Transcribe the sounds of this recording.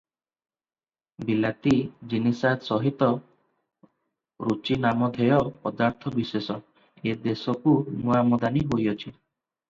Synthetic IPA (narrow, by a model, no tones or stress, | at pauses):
bilat̪id͡ʒinisat̪sɔɦit̪ɔ | ɾut͡ʃinamɔd̪ʱejɔpɔd̪aɾt̪ʰɔbisesɔ | ed̪esɔkumuamɔd̪aniɦojɔt͡ʃʰi